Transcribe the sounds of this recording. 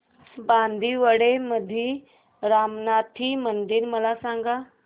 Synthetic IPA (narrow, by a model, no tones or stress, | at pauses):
band̪ʱiʋəɽeməd̪ʱi | ɾamnat̪ʰimənd̪iːɾməlasãŋɡa